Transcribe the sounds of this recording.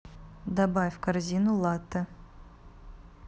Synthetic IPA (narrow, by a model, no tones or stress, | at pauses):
d̪ɐbafʲkarzʲinʊlˠat̪ːə